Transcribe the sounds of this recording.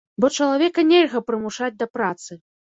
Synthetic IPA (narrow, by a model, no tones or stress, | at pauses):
bɔt͡ʂɐlˠavʲɛkɐnʲɛlʲɣɐpɾɨmuʂad͡zʲd̪ɐpɾat̪sɨ